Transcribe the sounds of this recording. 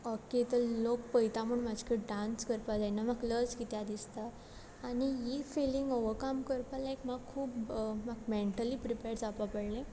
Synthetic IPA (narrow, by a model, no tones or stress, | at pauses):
oket̪əɾlokpəjt̪aməɳmad͡ʑʱkəɖanskəɾpad͡zajnamaɡləɾskit̪jad̪ist̪aː | nijifeliŋɡoʋəɾkamkəɾpalaekmaɡkʰːuːpmaɡmeɳʈəliːpɾipeɾd͡zapapəɽlẽ